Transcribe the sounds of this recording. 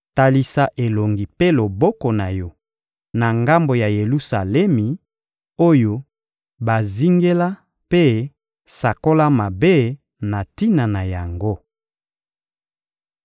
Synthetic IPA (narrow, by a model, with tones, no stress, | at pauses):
ta˨li˨sa˦ʔe˨lo˨ŋɡi˨pe˦lo˨bɔ˦kɔ˨na˨jɔ˦ | na˨ŋɡa˦mbo˨ja˨je˨lu˦sa˨lɛ˦mi˨ | o˦jo˦ | ba˨zi˦ŋɡe˦la˦ | pe˦ | sa˨ko˦la˦ma˨be˦ | na˨ti˦na˨na˨ja˨ŋɡo˦